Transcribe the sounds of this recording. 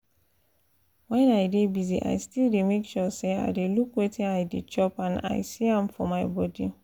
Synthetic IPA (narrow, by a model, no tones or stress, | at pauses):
wɛnaɪdebizḭʔa̰ɪstildemekʃɔsea̰ɪdelukwetiaɪdit͡ʃɔpãna̰ɪsiãmfɔ̰maɪbɔdi